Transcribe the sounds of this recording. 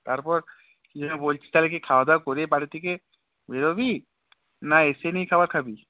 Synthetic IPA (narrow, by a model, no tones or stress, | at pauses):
t̪aɾpɔɾ | kid͡ʒɔnebolt͡ʃʰi̥t̪alek̬ikʰawd̪akoɾepaɾit̪ʰike | beɾobi | naesenijkʰabaɾkʰabi